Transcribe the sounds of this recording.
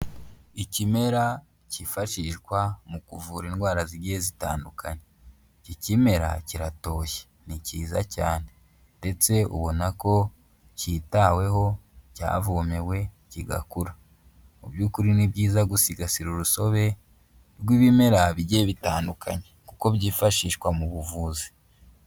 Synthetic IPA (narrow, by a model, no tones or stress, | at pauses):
icime̞ɾa | cifaʃiʃɡwamukuvuɾinɡwaːɾaziɟezita̰ːndukʰaɲe | icime̞ɾa̰ciɾato̞ːçe̥ | niciːzacaːne̞ | nde̞t͡se̞ṵβo̞nako̞ | citawe̞ɦo̞ca̰ːvome̞we̞ | ciɡa̰kuɾa | ubjuːkuɾinibɟiːzaɡusiɡasiɾuɾuso̞βe̞ | ɾɡwiːβimeɾaβiɟeβitaːndukʰaɲekuko̞bɟiːfaʃiːʃwamuβuvuːzi̥